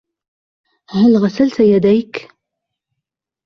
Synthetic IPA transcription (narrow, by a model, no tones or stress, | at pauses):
hælʁasælt̪ajæd̪æjk